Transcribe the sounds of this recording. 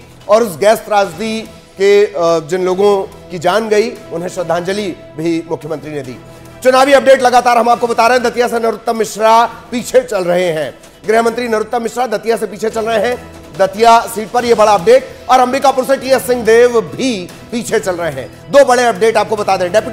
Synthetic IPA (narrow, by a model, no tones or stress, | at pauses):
ɔːɾʊsɡɛːst̪ɾaːd͡ʒd̪i | ked͡ʒɪnloːɡõ | kid͡ʒaːnɡɐiʊnɦẽʃɾɐd̪ʱːãːnd͡ʒəli | bʱimʊkʰjəmə̃nt̪ɾined̪ḭː | t͡ʃʊnaːʋiɐp̚ɖeːʈlɐɡaːt̪aːɾɦɐ̃maːp̚kobɐt̪aːɾɐɦɛ̃d̪ɐt̪jasenɐɾʊt̪ːəmːɪʃɾapiːt͡ʃʰet͡ʃɐlɾɐɦeɦɛ̃ː | ɡɾɪɦmə̃nt̪ɾinɐɾʊt̪ːəmɪʃɾad̪ɐt̪ijasepiːt͡ʃʰet͡ʃɐlɾɐɦeɦɛ̃ | d̪ɐt̪ijasiːʈ̚pɐɾjebɐɽaɐp̚ɖeːʈ̚ɔːɾɐ̃mɾikapʊɾsẽʈiəsɪ̃ŋɡd̪eːʋbʱi | piːt͡ʃʰet͡ʃɐlɾɐɦeɦɛ̰̃ː | d̪oːbɐɽeɐp̚ɖeːʈaːp̚kobɐt̪ad̪ẽːɦɛ̃ɖɛːpɪ